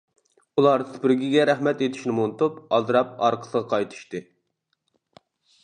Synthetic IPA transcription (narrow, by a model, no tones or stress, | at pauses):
ulˠɑɾspɪɾɡʲiɡʲɛɾæχmɛt̪et̪ʰi̥ʃnɪmunɨt̪upɑzɾɑp̚ɑɾqʰə̥səʁɑqʰɑjt̪ʰɨ̥ʃt̪ɨ